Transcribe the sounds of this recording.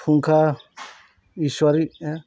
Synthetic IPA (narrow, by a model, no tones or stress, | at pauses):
pʰuŋkʰa | iswaɾi